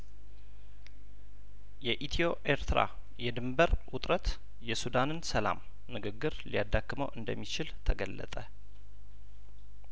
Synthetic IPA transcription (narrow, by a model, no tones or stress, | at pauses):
jɛʔit̪ʰio̞ʔeɾt̪ʰɨɾa̰ | jɛd̪ɨmbəɾwʊt̪ʼɾət̪ | jɛsud̪anɨnsəla̰m | nɨɡɨɡːɨɾlijad̪ːakːməwʔɨnd̪əmːit͡ʃɪlt̪ʰəɡəlːə̰t̪ʼə